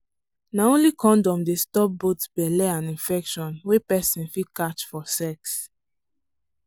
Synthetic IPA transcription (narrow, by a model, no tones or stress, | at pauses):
naõnlikʰɔ̃ndɔ̃mdestɔp̚botbɛlɛãnĩnfɛkʃɔ̃nwepɛsĩnfikat͡ʃfɔsɛks